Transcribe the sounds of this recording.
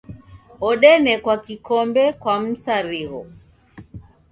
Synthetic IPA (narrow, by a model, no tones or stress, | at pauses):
ɔɗɛnɛkwakikɔmbɛkwam̩saɾiɣɔ